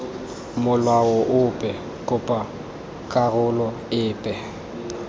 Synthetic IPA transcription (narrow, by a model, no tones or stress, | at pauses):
mʊlwaɔʔʊpʼɛ | kʼʊpʼa | kʼarʊlɔ | ɪːpʼɛ